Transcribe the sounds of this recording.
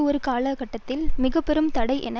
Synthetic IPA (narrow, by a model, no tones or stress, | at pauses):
ɔɾɯkaːlɐkɐʈːɐt̪ːɪlmɪɣɐpːɛɾɯmt̪ɐɽɐɪʔɛ̰nɐ